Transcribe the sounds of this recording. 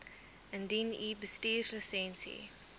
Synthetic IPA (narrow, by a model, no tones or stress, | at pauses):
əndinibəstiːrləsɛ̃nsḭ